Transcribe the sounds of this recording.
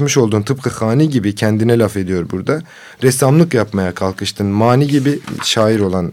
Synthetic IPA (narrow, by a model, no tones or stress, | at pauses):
mɯʃo̞lˠd̪uːnt̪ʰɯp̚kʰaxaːniːɟibicʰɛnd̪inɛlʲafe̞d̪ijo̞ɾbuɾd̪a | ɾɛsamlˠɯkjapmajakʰalˠkʰɯʃt̪ʰɯnmaːniːɟibiʃaːjiɾo̞lˠan